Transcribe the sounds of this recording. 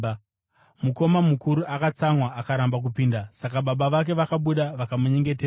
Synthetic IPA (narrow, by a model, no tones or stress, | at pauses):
muko̞mamukuɾuʔakat͡saŋwaʔakaɾambak̬upiːndasakaɓaɓaʋak̬e̞ʋakaɓuɗaʋakamuɲe̞ŋɡe̞t̬eːra